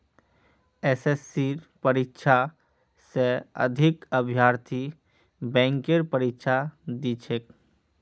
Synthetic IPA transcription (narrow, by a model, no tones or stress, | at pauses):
esesːiɾpəɾikʃʰa | seə̰d̪ʱɪkəbʱjaːɾt̪ʰi | bɛ̃ːŋkeɾpəɾikʃʰad̪iːt͡ʃʰek